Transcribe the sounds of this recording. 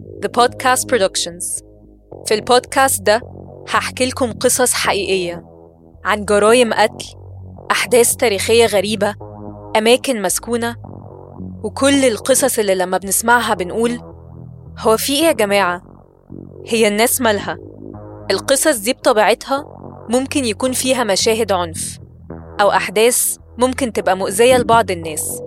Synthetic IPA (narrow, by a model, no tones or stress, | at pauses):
ðəpɑːd̪̚kʰæːst̪̚pɾod̪ɑkʃonz̥ | filpoːd̪kæːst̪̚d̪æhaħkelkomqɨsˤɑsˤħaʔiːʔejːæ | ʕanɡɑɾˤɑːjemʔæklʔaħd̪æːst̪æːɾiːxejːæɣæɾiːbæʔæmæːkenmæskuːnæ | wekʰolːelqɨsˤɑsˤelːilːæmːæbenesmaʕɦæbenʔuːl | howːæfiːʔeːɡæmæːʕa | hejːænːæːsmælhæʔelqɨsˤɑs̬ˤd̪iːb̚t̪ˤɑbiːʕet̪hæmomkenjækuːnfiːɦæmæʃæːɦed̪ʕonf | ʔæwʔaħd̪æːs | momkent̪ebʔæmoʔzejːælebɑʕd̪ˤenːæːs